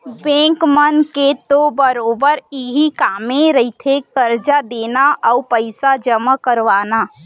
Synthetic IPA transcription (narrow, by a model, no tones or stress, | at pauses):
bɛ̃ːŋkmənket̪obəɾoːbəɾiɦikaːmẽɾəɦit̪ʰekəɾd͡ʒad̪eːnaʔɔupəɪsad͡ʒəmakəɾʋaːnaː